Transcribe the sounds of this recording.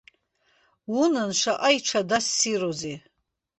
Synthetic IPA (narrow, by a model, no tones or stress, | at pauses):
wunɨnʂʷaʔajʈ͡ʂʷʰadasːiroze